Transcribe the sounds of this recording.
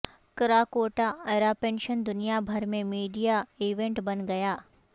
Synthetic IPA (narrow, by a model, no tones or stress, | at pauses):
kɐɾaːkoːʈaɐːɾapẽːnʃənd̪ʊnijabʱɐɾmẽmiːɖijaiːʋẽɳʈbɐnɡɐjaː